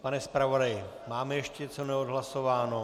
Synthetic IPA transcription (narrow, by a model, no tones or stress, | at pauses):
panɛspɾavo̞dajɪ | maːmɛjɛʃcɛt͡so̞nɛodɦlaso̞vaːno